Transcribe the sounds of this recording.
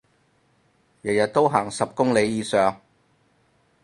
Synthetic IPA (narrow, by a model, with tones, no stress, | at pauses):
jɐ˨˩jɐ˨t̚t̪o˥wɦaː˨˩ŋsɐ˨p̚kʊ˥ŋle˨˧jjiː˨˧sœː˨˩ŋ